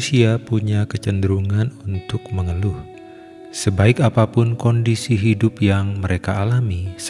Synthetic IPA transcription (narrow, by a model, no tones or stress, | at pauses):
siapuɲakət͡ʃəndəɾuŋanunt̪ʊk̚məŋəlʊh | səbaɪkapapʊnkɔndisiɦidʊp̚jaŋməɾʔekaːlamis